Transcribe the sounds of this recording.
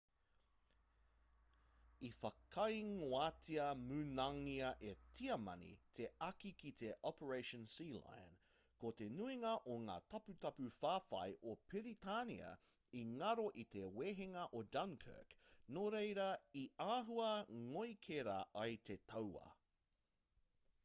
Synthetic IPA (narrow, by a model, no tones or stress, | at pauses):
ifɐkʰɐjŋoaːtʰiɐmʉnɐŋiɐʔetʰiɐmɐ̰nḭt̪ʰeɐkikit̪ʰe̞ʔɔpəɹejʃə̃nsiːla̰jn | kot̪e̞nuiŋɐʔoŋa̰ːtʰɐpʉt̪ɐpʉfaːfɐ̰jʔopiɾit̪ʰanḭɐ̰ | iŋɐɾoʔit̪eweːɦeŋɐʔodɐnkʰɜ̰knoɾejɾɐiaːɦuɐŋojkʰeɾa̰ʔɐjt̪ʰe̞t̪ʰɐwɐ̰